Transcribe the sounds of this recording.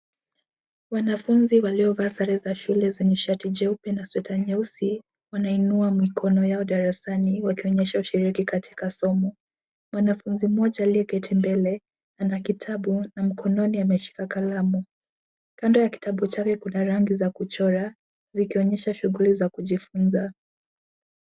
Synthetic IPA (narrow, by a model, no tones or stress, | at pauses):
wanafunziwaliɔvaːsaɾɛzaʃulɛzɛɲɛʃatid͡ʒɛupɛnaswɛtaɲɛusi | wanainuamikʰɔnɔjaɔɗaɾasaniwakiɔɲɛʃauʃiɾikikatʰi̥kasɔmɔ | mwanafunzimɔʄaːliɛkɛtʰimbɛlɛ | anakitʰaɓunam̩kʰɔnɔniamɛʃi̥kakalamu | kandɔjaki̥tʰaɓut͡ʃakɛkunaɾaŋɡizakut͡ʃɔɾa | zikiɔɲɛʃaʃuɣulizakuʄifunza